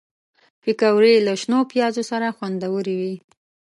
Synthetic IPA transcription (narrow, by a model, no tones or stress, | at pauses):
pikawɾelaʃnopjɑzosaɾaxwand̪awəɾiwi